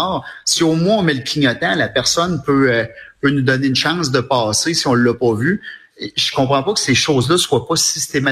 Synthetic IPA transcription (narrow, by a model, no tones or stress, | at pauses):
ʁsioːmwɛ̃ɔ̃mɛləkʲʰiɲɔt̪ãlapɛʁsɔnpøpønud̪ɔnɪynʃɑ̃ŋsd̪əpɑːsesiɔ̃lːɐpɔvy | ʒə̥kɔ̃pχɑ̃pʌkə̥seʃoːzlʌswapʌsi̥st̪ema